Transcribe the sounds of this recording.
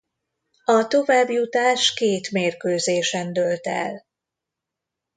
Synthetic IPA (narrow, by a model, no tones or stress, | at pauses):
ɒt̪o̞vaːbjut̪aːʃkeːt̪meːrkøːzeːʃɛnd̪ølt̪ɛ̰l